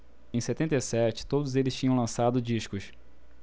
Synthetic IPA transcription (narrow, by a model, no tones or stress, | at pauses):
ẽj̃set̪ẽnt̪ejsɛt͡ʃɪ̥t̪od̪ʊzelɪst͡ʃĩɲɐ̃lɐ̃sad̪ʊd͡ʒiʃkʊs